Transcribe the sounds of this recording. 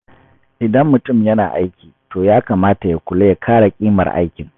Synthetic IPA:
ʔɪ˨dɐ˦mːʊ˨tʊ˦˨mjɐ˦naː˨ʔa˦jkʲiː˨toː˨jaː˦kaː˨maː˦ta˨ja˨kʷʊ˨le˦ja˨kʰaː˦ɽa˨kʲʼiː˦mɐ̰˨rʔa̰˦jkʲɪ˨ŋ

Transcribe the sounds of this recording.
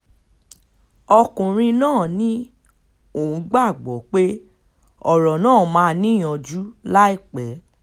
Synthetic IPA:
ɔ˧kũ˨ɾ̃ĩ˧nãː˦˨nĩ˦ | o˦˨ũ˨˦ɡ͡ba˦˨ɡ͡bɔ˨˦k͡pe˦ | ɔ˨ɾɔ˨nãː˦˨mãː˨˦˧nĩ˦jɔ̃˧d͡ʒu˦la˦i˦˨k͡pɛ˨˦

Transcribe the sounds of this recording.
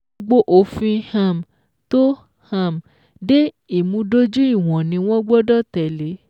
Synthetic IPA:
ɡ͡bo˦ʔo˨fĩ˧hã˨m˨ | to˦ | hã˦˨m˨ | de˦ | i˦˨mũ˧˦do˦d͡ʒu˦i˦˨w̃ɔ̃˨nĩ˧˦w̃ɔ̃˦ɡ͡bɔ˦dɔ˦tɛ˨le˨˦

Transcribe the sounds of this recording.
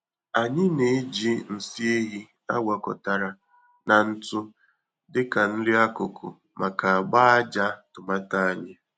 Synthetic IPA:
a˨ɲɪ˦ne˨˦d͡ʒi˦n̩˨si˦e˦ɦi˦ | a̰˦ɡa˨kɔ̰˨ta˨ɾa˨ | na˨n̩˦tʊ˦ | dɪ˦ka˨n̩˦li˦a˦kʊ˨kʰʊ̰˨ | ma˨ka˨a˨ɡ͡ba˦a˦d͡ʒa˦tʊ˨ma˦ta˦a˦ɲa˨

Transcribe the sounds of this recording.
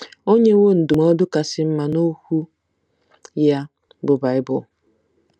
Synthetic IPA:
o˦ɲe˦wo˦˨n̩˨du˨mɔ˦dʊ˦ka˨sɪ˦m̩˦ma˨no˦hu˦ | ja˦ | bʊ˨ba˨ɪ˦bʊ˨

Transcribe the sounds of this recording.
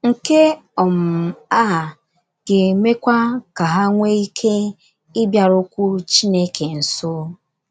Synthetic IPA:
ŋ̩˨ke˦ɔ˨m̩˨a˦˨ | ɡ̥e˨me˦kʷa˦ka˨ɦa˦ŋʷe˦i˦kʰe˦ | ɪ˦bja˨ɾʊ˦kʷu˦ɾt͡ʃi˦ne˦kʰe˨n̩˨sʊ˦

